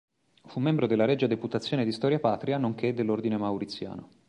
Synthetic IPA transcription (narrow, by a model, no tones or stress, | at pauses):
fumːɛmbɾod̪elːaɾɛd͡ʒːad̪eput̪at̪sːjoːned̪ist̪ɔɾjapaːt̪ɾianoŋk̟ed̪ːelːord̪inemawɾit̪sːja̰ːno